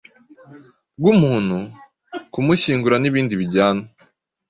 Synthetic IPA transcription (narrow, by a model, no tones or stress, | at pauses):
ɡumuːn̥hu | kumuɕiːŋɡuɾaniβiːndiβiɟaːno